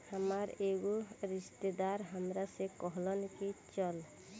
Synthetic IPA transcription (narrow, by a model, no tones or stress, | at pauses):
həmaɾeɡoɾiʃt̪ed̪aɾɦəmɾasekɔɦlɔnkit͡ʃɔl